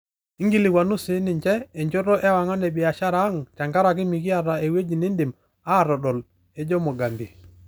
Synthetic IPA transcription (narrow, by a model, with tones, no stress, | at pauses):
i˦ŋɡi˦lɪ˨wa˨nu˦sɪ˨˦nɪ˨ɲt͡ʃɛ˦e˨ɲd͡ʒo˦ɾɔ˦ʔɛ˦wa˨ŋɔ˦nɛ˨bɪ˨a˨ʃa˦ɾa˦ŋt͡ʃa˨ŋɡa˦ɾa˨k̬ɪ˦mi˨ki˦a˨ɾa˨e˨we˦d͡ʒi˨ni˦ndɪ˨m | a˦˨ɾɔ˨ɗɔ˨l | e˦d͡ʒɔ˦mɔ˨ɡa˨mbi˨